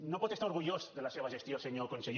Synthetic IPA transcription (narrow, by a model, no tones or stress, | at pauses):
nopot̪est̪aɾoɾɣuʝosðelaseβaʃest̪joseɲokonsej